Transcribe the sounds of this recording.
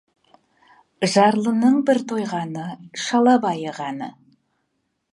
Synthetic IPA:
ʒɑɾlˠənəɴbɪɾt̪ʰo̞jʁɑnəʃɑlˠɑbɑjəʁɑnə

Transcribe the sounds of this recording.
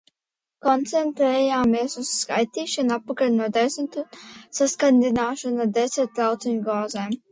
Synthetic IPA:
kɔnt̪sɛnt̪ɾɛjaːmeːsusːkajt̪iːʃanapːakalʲnɔːd̪ɛsnt̪usaskanʲd̪inaːʃɐnad̪ɛsʲɛɾt̪̚lawt̪siɲʲuɡɔːzɛːm

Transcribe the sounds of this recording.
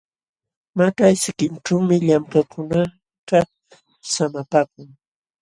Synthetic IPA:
maʈ͡ʂajsɪkɪnʈ͡ʂawmɪʎamkakʰʊna | t̪a | samapaːk̚ʊŋ

